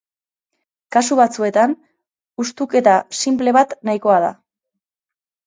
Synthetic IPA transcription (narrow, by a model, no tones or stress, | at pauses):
kasuβat͡sue̞t̪an | ust̪uke̞t̪asimple̞βat̪najko̞að̞a̰